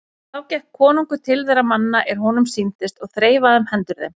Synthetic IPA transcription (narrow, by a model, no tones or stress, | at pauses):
θawcɛhkʰːɔːnuŋkʏt̪ʰɪlvɛɾamanːaʔɛɾ̥hɔnʏmsint̪ɪst̪ɔɣθɾeːjvaðʏmhɛnt̪ʏɾðḛm